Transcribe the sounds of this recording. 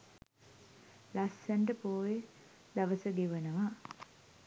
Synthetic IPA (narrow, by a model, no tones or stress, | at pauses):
lasːəɳɖəpoːje | d̪aʋəsəɡeʋənəʋa